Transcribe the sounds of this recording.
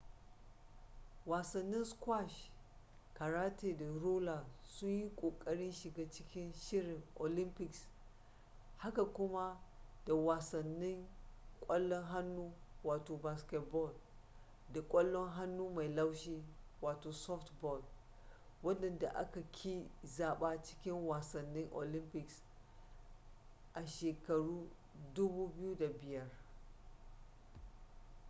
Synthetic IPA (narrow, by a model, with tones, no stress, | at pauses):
waː˨sɐ˨nːɪ˦nskwa˦˨ʃ | ka˨ɽaː˦teː˨da˨ɾoː˦la˨sʊ˦ɲji˦kʷʼoː˨kʼɐ˦ɽɪ˦nʃi˨ɡaː˦t͡ʃɪ˦kʲɪ˦nʃɪ˦ɽɪ˨ŋʔo˨lɪ˦mpɪ˨ks | ha˦ka˨kʷʊ˦ma˦d̥a˨waː˨sɐ˨nːɪ˦ŋkʷʼɐ˦lːɔ˦ŋɦa˦nːuː˦waː˨toː˨ba˨skʲɛ˨t̚bɔ˦˨l | da˨kʷʼɐ˦lːɔ˦ŋɦa˦nːuː˦ma˨jla˦wʃiː˦waː˨toː˨sɔ˦ftbɔ˦˨l | wɐ˦dɐ˨nda˨ʔa̰˦ka˨kʲʰi˦zaː˨ɓaː˦t͡ʃɪ̥˦kʲɪ˦ŋwaː˨sɐ˨nːɪ˦ŋʔo̰˨lɪ˦mpɪ˨ks | ʔa˨ʃeː˨kɐ˨ɽuː˦ | dʊ˦buː˦bɪ˦ju˦da˨bɪ˨jɐ˦r